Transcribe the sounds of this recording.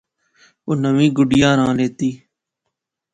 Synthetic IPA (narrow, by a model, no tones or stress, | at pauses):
ʊnəʋĩːɡʊɖɪjãːɾãːleːt̪iː